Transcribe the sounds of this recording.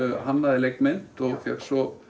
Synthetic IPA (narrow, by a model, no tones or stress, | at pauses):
ɦanːaðɪlejknmɪn̥t̪ɔɣfɛksɔ